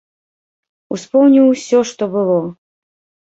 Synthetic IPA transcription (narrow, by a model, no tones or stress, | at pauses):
uspɔwnʲiwsʲɔʂt̪ɔbɨlˠɔ